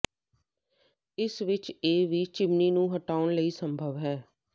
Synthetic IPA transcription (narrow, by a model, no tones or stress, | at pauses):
ɪsʋɪt͡ʃeːʋiːt͡ʃɪmniːnũːɦəʈaːʊɳləiːsəmbʱəʋɦɛː